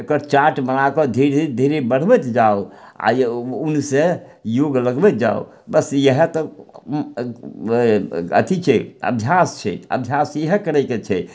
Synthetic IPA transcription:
ekəɾt͡ʃaʈbənakɔd̪ʱiɾd̪ʱiɾd̪ʱiɾebəɽ̤bɛt̪d͡ʒaoa̰unse | joɡləɡbɛt̪̚d͡ʒao̰ | bəsjəɦɛt̪ɔ | ə̰t̪ʰit͡ʃʰɛə̰bʱjast͡ʃʰɛ̰ə̰bʱjasjəɦɛkəɾɛjket͡ʃʰɛ

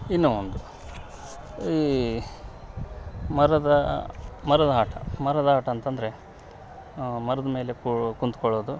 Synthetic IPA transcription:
inːuːond̪u | iː | mɐɾɐd̪ɐmɐɾɐd̪ɐɦaːʈɐ̰mɐɾɐd̪ɐaːʈɐːnt̪ɐnd̪ɐɾe̞ | mɐɾɐd̪ɐme̞ːlekkunt̪ukɔɭːoːd̪u

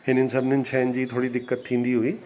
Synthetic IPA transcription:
hɪnənɪ̆sɐbʱɪnənɪ̆t͡ɕʰɐːɪnɪ̆d͡ʑiːt̪ʰoːɽid̪ɪkːət̪tʰːĩːn̆d̪iɦʊiː

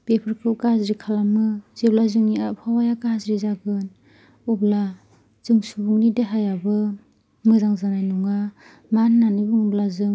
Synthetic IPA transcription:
b̥epʰɯɾkʰɯkazɾikʰalamɯzeblazɯŋniapʰawajakazɾizaɡɯn | ubla | z̥ɯŋsubuŋnideɦajabɯ | mɯzaŋzanajnuŋa | mannanibɯŋɔblazɯŋ

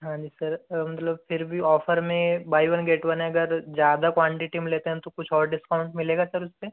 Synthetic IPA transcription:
ɦãːd͡ʒiːsɐɾmɐt̪ləb̚pʰɪɾbʱiɔːfʰəɾmẽbaːiʋɐnɡeːʈʋɐnɦɛ̃ɐɡəɾd͡ʒjaːd̪akwãːɳʈiʈimleːt̪eɦɛ̃t̪okʊt͡ʃʰɔːɾɖɪskaʊ̃ɳʈmɪleːɡasɐɾʊspe

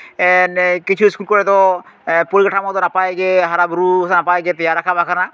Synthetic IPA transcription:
ɛnkit͡ʃʰuskulkɔɾɛt̪ɔpɔɾikaʈʰamɔd̪ɔnapajɡeɦaɾabɾusanapajɡet̪ejaɾːakʰabʱakʰana

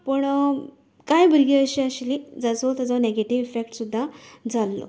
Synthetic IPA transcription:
pəɳ | kajbəɾɡiəɕiəɕlid͡zət͡sot̪ad͡zoneɡeʈiʋifek̚ʈsud̪ʱːad͡zalːo̰

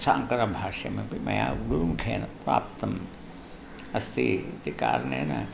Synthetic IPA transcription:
saːŋkɐɾɐmbʱaːʃɐmekimʔɐjaːɡuɾumkʰeːnɐpɾa̰ːpt̪ɐm | ɐst̪ʰit̪ika̰ːɾnḛːnɐ̰

